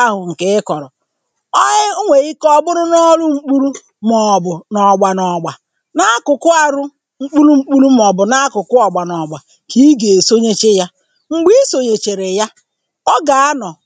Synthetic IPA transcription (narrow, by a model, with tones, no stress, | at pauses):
a˦ɦʊ˨ŋ̩˨ke˨ɪ˦kɔ˨ɾɔ˨ | ɔ˦ɪ˦ʊ˦ŋʷe˨i˦kɔ˦bʊ˦ɾʊ˦nɔ˦lʊ˦ŋ͡m̩˦k͡pu˦ɾu˦ | mɔ˨bʊ˨nɔ˨ɡ͡ba˨nɔ˨ɡ͡ba˨ | na˦kʊ˨kʊ˦a˨ɾʊ˦ | ŋ͡m̩˦k͡pu˦lu˦ŋ͡m̩˦k͡pu˦lu˦m˦ɔ˨bʊ˨na˦a˦kʊ˨kʊ˦ɔ˨ɡ͡ba˨nɔ˨ɡ͡ba˨ | ki˦i˦ɡe˨so˦ɲe˦t͡ʃe˦ja˦ | ŋ͡m̩˨ɡ͡bi˦so˨ɲe˨t͡ʃe˨ɾe˨ja˦ | ɔ˦ɡa˨a˦nɔ˨